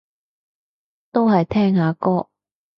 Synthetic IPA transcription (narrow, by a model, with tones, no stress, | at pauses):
t̪o˥wɦɐ˨jt̪ʰɛː˥ŋhaː˨˧kɔː˥